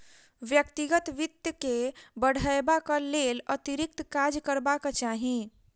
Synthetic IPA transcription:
ʋjəkt̪iɡət̪ʋit̪jəkebəɽ̤əebakəlelət̪iɾik̚t̪kad͡ʒkəɾbakət͡ʃaɦi

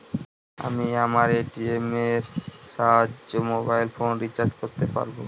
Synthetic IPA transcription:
a̰miamaɾeʈiemeɾʃaɦomobajlfonɾit͡ɕaɾd͡ʑkoɾt̪epa̰ɾbo

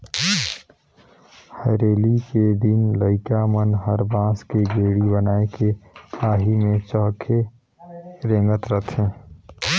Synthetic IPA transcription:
həɾeːliked̪ɪnləɪkamənɦəɾbãːskeɡeːɽibənaːekeaːɦimẽt͡ʃɔːkʰe | ɾẽːŋɡət̪ɾət̪ʰẽː

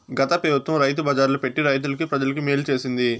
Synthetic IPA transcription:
ɡɐt̪ɐpiːʋɐt̪wɐmɾɐjt̪̬ubɐːd͡ʒaːɾlupe̞ʈːiɾɐjt̪̬ulɐk̬ipɾɐd͡ʒɐlɐkimeːlut͡ʃe̞ːsind̪i

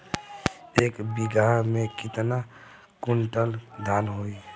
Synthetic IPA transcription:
eːkbiɡaɦmẽkɪt̪na | kuɳʈəld̪ʱanɦoi

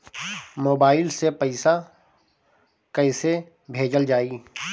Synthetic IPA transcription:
moːbaːɪlsepəɪsa | kəɪse | bʱeːd͡ʒəld͡ʒaːiː

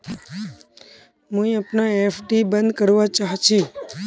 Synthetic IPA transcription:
mũĩəpnaefʰʈibə̃nd̪kəɾʋat͡ʃaɦt͡ʃʰi

